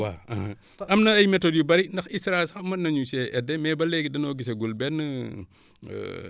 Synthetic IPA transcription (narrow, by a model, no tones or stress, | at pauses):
wa̰aha̰ | ɐmnɐɐjmɛtodjubɐɾindɐxisɾasamɐnɐɲusɛʔɛdɛmɛbɐlɛɡidɐnoːɡiseɡulbɛn